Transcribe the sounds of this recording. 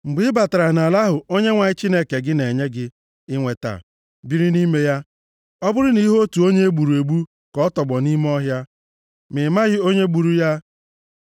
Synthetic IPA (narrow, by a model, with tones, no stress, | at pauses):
ŋ͡m̩˨ɡ͡bɪ˨˦ba˨ta˨ɾa˨na˨la˦ɦʊ˨o˦ɲe˦ŋʷa˨ɲɪ˦t͡ʃi˦ne˦ke˨ɡɪ˦ne˨ɲe˦ɡɪ˦ | ɪ˦ŋʷe˨ta̰˨ | bi˦ɾi˦ni˦me˦ja˦ | ɔ˦bʊ˦ɾʊ˦ni˦ɦo˦tu˨o˦ɲe˦e˦ɡ͡bu˨ɾu˨e˨ɡ͡bu˦ | kɔ˦tɔ˨ɡ͡bɔ˨ni˦m˦ɔ˦ɦja˦ | mɪ˨ma˦ɣɪ˦o˦ɲe˦ɡ͡bu˨ɾu˦ja˦